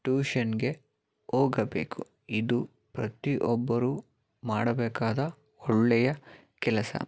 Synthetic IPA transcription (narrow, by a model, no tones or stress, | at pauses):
ʈuːʃɐnɡe̞ | oːɡɐbḛːku | id̪u | pɾɐt̪iʔɔbːɐɾu | maːɽɐbɛːkaːd̪ɐ | ɔɭːɛjɐ | kɛlɐsɐ̰